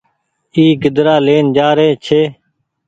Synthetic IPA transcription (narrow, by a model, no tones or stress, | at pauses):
iːɡəd̪ɾaːleːnd͡ʒaːɾeːt͡ʃʰeː